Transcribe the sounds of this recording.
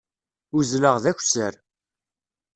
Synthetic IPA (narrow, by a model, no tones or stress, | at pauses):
uzləʁðæçʷsəɾ